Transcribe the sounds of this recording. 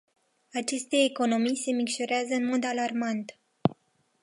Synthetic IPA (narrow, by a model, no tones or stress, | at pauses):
at͡ʃe̞st̪e̞ːko̞no̞mijse̞mikʃo̞ɾeazəɨnmo̞d̪alarmant̪